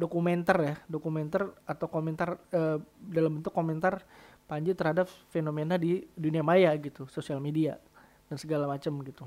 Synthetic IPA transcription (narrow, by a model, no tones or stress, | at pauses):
dokumɛnt̪arjadokumɛnt̪arat̪awkomɛnt̪arəːdalambənt̪ʊkːomɛnt̪arpaɲd͡ʒɪt̪ərhadapfenomenadiduniamajaɡit̪usosialmedia | dansəɡalamat͡ʃəmɡit̪u